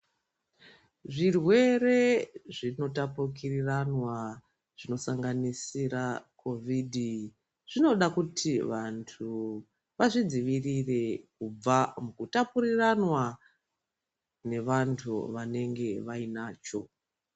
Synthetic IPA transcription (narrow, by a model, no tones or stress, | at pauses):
ʐirwe̞re̞ʐino̞tapukiriranwa | ʐ̥ino̞saŋɡanisirakʰo̞vʱidʱi | ʐ̥ino̞ɗakutʰiʋantʰu | ʋaʐid͡ziʋirire̞kub͡vamukutapuɾiranwa | ne̞ʋantʰṵʋane̞ŋɡe̞ʋainaːt͡ʃo̞